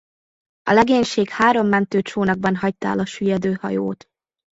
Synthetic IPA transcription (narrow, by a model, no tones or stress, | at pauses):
ɒlɛɡeːɲʃeːkhaːɾo̞mːɛnt̪øːt͡ʃoːnɒɡ̚bɒnɦɒc̚t̪a̰ːlɒʃyjɛd̪øːhɒ̰jo̰ːt̪